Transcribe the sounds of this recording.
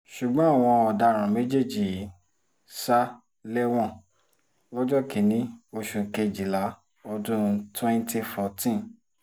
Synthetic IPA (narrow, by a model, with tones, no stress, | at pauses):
ʃu˨ɡ͡bɔ̃˨˦a˦˨w̃ɔ̃˧ɔ˨da˧˨ɾ̃ã˨me˨˦d͡ʒe˦˨d͡ʒi˨ | sa˦ | lɛ˦w̃ɔ̃˦ | wɔ˦d͡ʒɔ˦ki˨nĩ˨˦o˧ʃũ˧˨ke˧˨d͡ʒi˨la˨˦ | ɔ˧dũ˦˧twɛ̃˦nti˧fɔ˧˨tĩ˦n